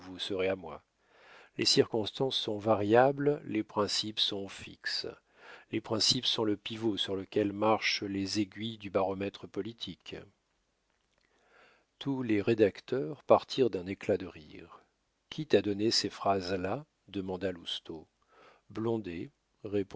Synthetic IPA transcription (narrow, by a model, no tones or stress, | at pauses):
vusəʁeamwa | lʔḛsiʁkɔ̃st̪ɑ̃sːɔ̃vaʁjabllepχɛ̃sipsɔ̃fḭks | lepχɛ̃sipsɔ̃ləpivosyʁləkʲɛlmaʁʃlezeɡʲɥid̪ybaʁɔmɛt̪χəpɔlit̪ʰik | t̪ʰuleʁed̪akt̪œʁpaʁt̪ʰiʁd̪ɛ̃neklad̪əʁḭʁ | kʲʰit̪ad̪ɔnesefχazla | d̪əmɑ̃d̪alust̪o | blɔ̃d̪e | ʁep